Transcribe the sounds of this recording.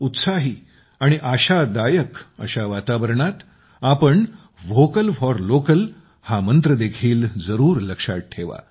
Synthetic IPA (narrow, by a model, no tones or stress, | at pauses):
ut̪saɦiː | aɽ̃iʔaɕad̪ajəkə̰ɕaʋat̪aʋəɾɳat̪ | apəɳ | ʋokəlfɔɾlokəl | hamənt̪ɾəd̪ekʰiːld͡zəɾuːɾləkʂa̰ʈ̚ʈʰːeʋa̰